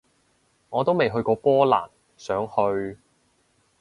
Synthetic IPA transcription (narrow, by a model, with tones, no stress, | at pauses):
ŋɔː˨˧t̪o˥wme˨jɦɵ˧ɥkɔː˧pɔː˥la̰ː˨˩n | sœː˨˥ŋhɵ˧ɥ